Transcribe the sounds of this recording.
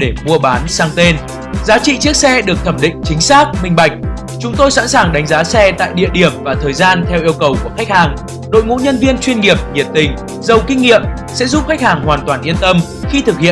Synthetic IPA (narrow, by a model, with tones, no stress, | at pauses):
ɗe˧˩mu˧əɓaː˨˦nsaː˧ŋt̪e˧n | zaː˨˦t͡ɕḭ˧˨t͡ɕɨ˦˥ək̚sɛ˧ɗɨ˨˩ək̚t̪ʰə˧˩mɗḭ̈˧˨ŋ̟t͡ɕï˨˦ŋ̟saː˦˥k̚mï˧ŋ̟ɓa˨˩jk̟̚ | t͡ɕʊ˨˦ŋ͡mt̪o˧jsa̰˧˥nsaː˨˩ŋɗa˨˦ŋzaː˨˦sɛ˧t̪a̰ː˧˨jɗḭ˧˨əɗi˧˩əmvaː˨˩t̪ʰəː˨˩jzaː˧nt̪ʰɛ˧wʔi˧əwkə˨˩wku˧˩əxa˦˥k̟̚haː˨˩ŋ | ɗo̰˧˨jŋṵ˧˥ɲə˧nvi˧ənt͡ɕwi˧ənŋi˨˩əp̚ŋi˨˩ət̚t̪ï˨˩ŋ̟ | zə˨˩wkï˧ŋ̟ːḭ˧˨əm | sɛ̰˧˥zʊ˦˥p̚xa˦˥k̟̚haː˨˩ŋhwaː˨˩nt̪waː˨˩nʔi˧ənt̪ə˧m | xi˧t̪ʰɨ˨˩k̚hḭ˧˨